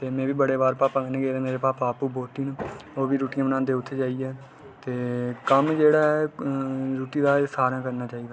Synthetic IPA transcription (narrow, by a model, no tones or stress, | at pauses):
t̪eːmɛ̃ːʋiːbəɽeːbaːɾpaːpə̃ŋɡnẽːɡeːd̪eːmeːɾeːpaːpaːpuːbʱoːt̪iːnuoːʋiːɾuːʈijãːbənãːnd̪eːʊt̪ʰːeːd͡ʒaːiɛː | t̪eːkəmd͡ʒeːɽaːɛ | ɾuːʈiːd̪aːsaːɾãːkəɾnaːt͡ʃaːiːd̪aː